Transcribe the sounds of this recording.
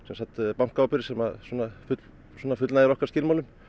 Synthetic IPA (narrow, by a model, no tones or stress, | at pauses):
sɛmsat̪pawŋ̥kawapɪɾɪsɛmaðsɔnafʏt̪l | swɔːnafʏt̪lnaðɪɾɔhkaɾ̥scɪːlmawlʏm